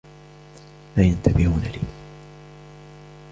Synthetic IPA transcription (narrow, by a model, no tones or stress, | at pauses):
maːjant̪abɪhuːnaliː